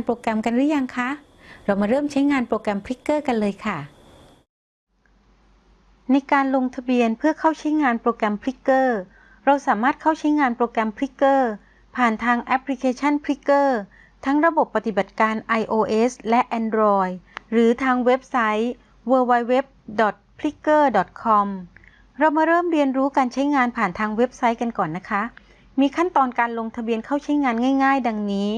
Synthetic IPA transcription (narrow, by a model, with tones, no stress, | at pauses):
npɾoː˧kɾɛ˧mka˧ndɯ˦˥ja˧ŋkʰa˦˥ | ɾa˧wmaː˧ɾɤː˥˩mt͡ɕʰa˦˥jŋaː˧npɾoː˧kɾɛ˧mpʰɾi˦˥kːɤː˥˩ka˧nlɤː˧jkʰa˥˩ | na˧jkaː˧nlo˧ŋt̪ʰa˧bi˧ənpʰɯ˥˩ɐkʰa˥˩wt͡ɕʰa˦˥jŋaː˧npɾoː˧kɾɛ˧mpʰɾi˦˥kːɤː˥˩ | ɾa˧wsaː˩˦maː˥˩t̪̚kʰa˥˩wt͡ɕʰa˦˥jŋaː˧npɾoː˧kɾɛ˧mpʰɾi˦˥kːɤː˥˩ | pʰaː˨˩nt̪ʰaː˧ŋʔɛ˦˥pʰli˧kʰeː˧t͡ɕʰa˥˩npʰɾi˦˥kːɤː˥˩ | t̪ʰa˦˥ŋɾa˧bo˨˩pːa˧t̪i˨˩ba˨˩t̪̚kaː˧nʔa˧jʔoː˧ʔeː˦˥slɛ˦˥ʔɛː˧ndɾɔː˧jɾɯː˩˦t̪ʰaː˧ŋwe˦˥p̚sa˦˥j | wɤː˧wa˧jwe˦˥p̚dɔ˨˩t̪̚pʰli˦˥kːɤː˥˩dɔ˨˩t̪̚kʰɔ˧m | ɾa˧wmaː˧ɾɤː˥˩mɾi˧ənɾuː˦˥kaː˧nt͡ɕʰa˦˥jŋaː˧npʰaː˨˩nt̪ʰaː˧ŋwe˦˥p̚sa˦˥jka˧nkɔː˨˩nːa˦˥kʰa˦˥ʔ | miː˧kʰa˥˩nt̪ɔː˧nkaː˧nlo˧ŋt̪ʰa˧bi˧ənkʰa˥˩wt͡ɕʰa˦˥jŋaː˧nŋaː˥˩jŋaː˥˩jda˧ŋniː˦˥